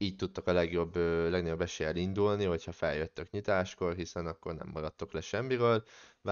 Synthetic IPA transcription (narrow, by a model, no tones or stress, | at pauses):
iːct̪ut̪ːɒkɒlɛɡjo̞bːøːlɛɡnojo̞bːɛʃeːjɛlind̪ulniɦo̞chɒfɛljøt̪ːøkɲit̪aːʃko̞rɦisɛnɒkːo̞rnɛ̰mːɒɾɒt̪ːo̞klɛʃɛmːiɾøːlv